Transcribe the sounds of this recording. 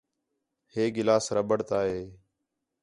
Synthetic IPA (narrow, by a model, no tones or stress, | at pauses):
heːɡɪlaːsɾəbəɽt̪aːɦeː